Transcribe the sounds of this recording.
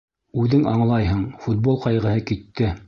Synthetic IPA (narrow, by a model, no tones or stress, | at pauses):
ʉðɘŋɑɴlˠɑjɦɤɴfut̪̚bolˠqɑjʁɤ̆hɤkit̪ːɘ